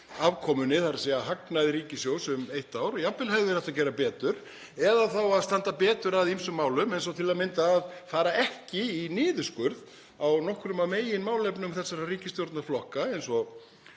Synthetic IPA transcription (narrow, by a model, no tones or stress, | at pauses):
avkʰɔːmʏnɪθaɾasɛaɦaknajðɪɾiːcɪsjoːwsʏmejht̪aːwɾjapːɪlhaɣðʏɾɛht̪acɛːɾapɛːt̪ʏɾ̥ | ɛðaθawaðst̪ant̪apɛːt̪ʏɾaðimsʏmːaːwlʏmɛjns̬ɔwt̪ʰɪlamɪnt̪aːðfaːɾaɛhcɪinɪːðʏskʏɾð | awnɔhkɾʏmameːjɪnmaːwlɛpnʏmθɛsːaɾariːcɪst̪jowɾt̪naflɔhkaɛjnsɔ